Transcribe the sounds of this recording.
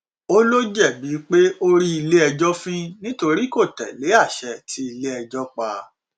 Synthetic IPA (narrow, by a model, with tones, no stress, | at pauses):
o˦lo˦d͡ʒɛ˦˨bi˨˦k͡pe˦o˦ɾi˦i˧le˦ɛ˧d͡ʒɔ˦fĩ˦nĩ˦to˧ɾi˦ko˦˨tɛ̰˨le˨˦a˦˨ʃɛ˧˨tʰi˦i˧le˦ɛ˧d͡ʒɔ˦k͡pa˨˧